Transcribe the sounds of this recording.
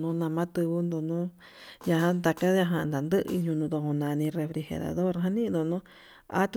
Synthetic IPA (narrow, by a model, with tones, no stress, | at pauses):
nũ˨˦nã˧mã˦t̪ɨ˧βu˧nd̪o˧nũ˦ | ja˧ɦã˧nd̪a˧ka˦ja˧ɦã˧nd̪a˨nd̪ɨ˦ʔɨ˧ɲũ˧nũ˧t̪o˧kõ˧nã˧nĩ˧re˧fɾi˧xḛ˧ɾa̰˨ðo˦ɾɦã˦nĩ˦nd̪o˧nũ˦ | a̰˦t̪